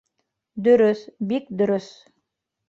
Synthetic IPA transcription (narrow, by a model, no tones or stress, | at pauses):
d̪ɵ̆ɾɵθbik̚d̪ɵ̆ɾɵθ